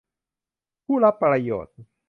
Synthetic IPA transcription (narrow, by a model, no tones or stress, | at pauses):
kulapalajɔ̰t̪i